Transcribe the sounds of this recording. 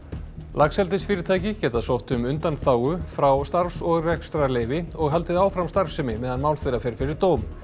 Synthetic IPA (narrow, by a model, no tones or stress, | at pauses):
lʔaksɛlt̪ɪsfɪːɾɪɾt̪ʰaːjcɪcɛːt̪aðsowht̪ʏmʏnt̪anθaːwɣʏfɾawst̪aɾfsɔɣrɛkst̪ɾalejvɪɔɣɦal̪t̪ɪðaːwfɾamst̪aɾ̥fsɛmɪmɛːðanmaːwlθejɾafɪɾ̥fɪɾɪɾt̪oːwm